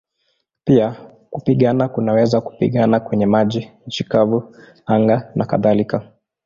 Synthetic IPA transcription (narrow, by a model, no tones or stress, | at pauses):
pia | kupiɠanakunawɛzaku̥pḭɠanakwɛɲɛmaʄint͡ʃikavu | aŋɡanaka̰ðalika